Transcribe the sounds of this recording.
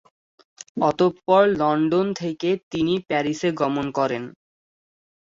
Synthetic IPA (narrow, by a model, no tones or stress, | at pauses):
ɔt̪opːɔɾlɔɳɖont̪ʰeket̪inipɛɾiseɡɔmonkɔɾen